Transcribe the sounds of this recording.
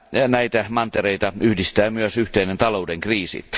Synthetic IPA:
næit̪æmɑnt̪eɾeit̪ɑyhdist̪æːmyøsyht̪einent̪ɑloudeŋkriːsḭ

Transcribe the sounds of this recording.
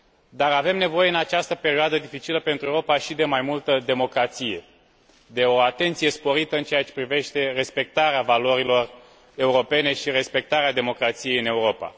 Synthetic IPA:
d̪aɾave̞mne̞vo̞je̞ɨnat͡ʃast̪əpe̞ɾioad̪əd̪ifit͡ʃiləpe̞nt̪ɾueuɾo̞paʃid̪e̞majmult̪əd̪e̞mo̞kɾat̪sije̞ | d̪e̞o̞at̪e̞nt̪sije̞spo̞ɾit̪əɨnt͡ʃeat͡ʃe̞pɾive̞ʃt̪e̞re̞spe̞k̚t̪aɾeavalo̞ɾilo̞r | e̞uɾo̞pe̞ne̞ʃire̞spe̞k̚t̪aɾead̪e̞mo̞kɾat̪sije̞jɨne̞uɾo̞pa̰

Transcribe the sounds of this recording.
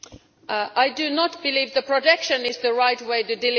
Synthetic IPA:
ʔaɪdɨnət̚b̥ɪlivðəpʰɹ̥ətɛkʃɨ̃nɪzðəɹaɪt̚weɪɾɨdɪl

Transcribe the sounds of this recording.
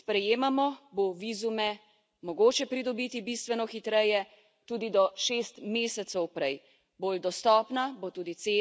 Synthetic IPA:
spɾɛjeːmamɔboʋiːzumɛ | mɔɡoːt͡ʃɛpɾid̪ɔbiːt̪ibist̪ʋɛnɔxit̪ɾɛjɛ | t̪uːd̪id̪ɔʃeːst̪meːsɛt̪sɔwpɾɛj | bold̪ɔst̪ɔːpnabot̪uːd̪it̪seː

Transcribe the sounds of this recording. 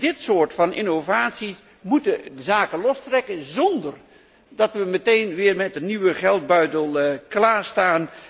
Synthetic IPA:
dɪtsʊːrtfɑnḭnovaːtsis | mutədəzaːkəlɔstrɛkənzɔndər | dɑtʋəmətejnʋɪːrmɛt̚dəniʋəχɛlˠd̚bœɥdəlˠklaːɹstaːn

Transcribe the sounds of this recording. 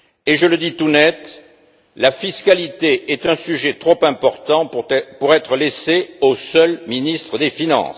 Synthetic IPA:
eʒələd̪it̪unɛt̪ | lafiskalit̪eʔɛt̪ɛ̃syʒet̪χɔpɛ̃pɔʁt̪ɑ̃puʁɛt̪χəleseosœlminist̪χəd̪efinɑ̰̃s

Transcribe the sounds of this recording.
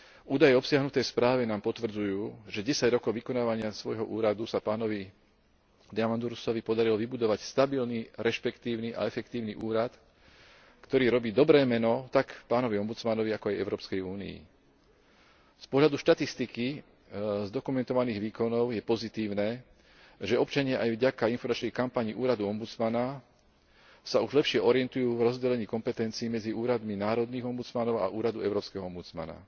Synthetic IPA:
ʔuːd̪ajɛɔpsɪaɦnut̪ɛjspɾaːʋinaːmpɔt̪ʋr̩d͡zujuːʒɛɟɛsaɟɾɔkɔʊʋikɔnaːʋaɲɪasʋɔjɦɔʔuːɾad̪usapaːnɔʋi | d̪ɛamand̪uɾusɔʋipɔd̪aɾilɔʋibud̪ɔʋacst̪abilniɾɛʃpɛkt̪iːʊniʔa̰ɛfɛkt̪iːʊniʔuːɾat̪ | kt̪ɔɾiːɾɔbiːd̪ɔbɾɛːmɛnɔt̪akpaːnɔʋiɔmbut͡smanɔʋiakɔajɛ̰ʊɾɔːpskɛjuːnḭḭ | spɔɦʎad̪uʃt̪at̪ist̪iki | zd̪ɔkumɛnt̪ɔʋaniːɣʋiːkɔnɔʊjɛpɔzit̪iːʊnɛː | ʒɛɔp̚t͡ʃaɲɪaʔajʋɟakainfɔɾmat͡ʃnɛxkampaɲiːʔuːɾad̪uɔmbut͡smana | sauʒlɛpʃɪɛʔɔɾɪɛnt̪ujuːvɾɔzɟɛlɛɲiːkɔmpɛt̪ɛnt͡siːmɛd͡ziʔuːɾad̪minaːɾɔd̪niːɣɔmbut͡smanɔʊa̰ʔuːɾad̪uɛʊɾɔːpskɛɦɔɔmbut͡sma̰na̰

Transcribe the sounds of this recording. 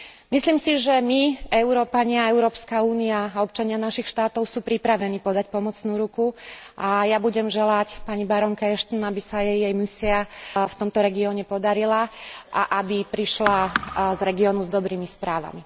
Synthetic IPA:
misliːmsiʒɛmiɛʊɾɔːpaɲɪaɛʊɾɔːpskauːniaːɔp̚t͡ʃaɲɪanaʃixʃt̪aːt̪ɔʊsuːpɾipɾaʋɛniːpɔd̪acpɔmɔt͡snuːɾukuʔajabuɟɛmʒɛlacpaɲibaɾɔŋkaɛʃt̪ɔnabisajɛjːɛjmisiaft̪ɔmt̪ɔɾɛɡiɔɲɛpɔd̪aɾilaʔa̰ʔabipɾiʃlazɾɛɡiɔːnuzd̪ɔbɾiːmispɾaːʋa̰mi

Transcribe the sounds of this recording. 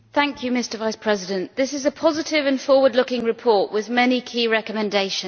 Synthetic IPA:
θæ̃ŋkʰjɨmɪstəvaɪspʰɹ̥ɛzɪdə̃nʔðɪsɪzəpʰɒzɪtʰɪvə̃nfɔːwədˡlʊkɪ̃ŋɹɪpʰɔˑʔwɪðmɛnikʰiːɹɛkəmɛ̃ndeɪʃə̃n

